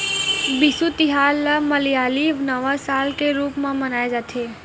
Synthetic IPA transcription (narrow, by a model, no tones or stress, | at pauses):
bɪsut̪ɪɦaːlːaməlijaːliʋnəʋasaːlkeɾuːpmãmənaːed͡ʒaːt̪ʰe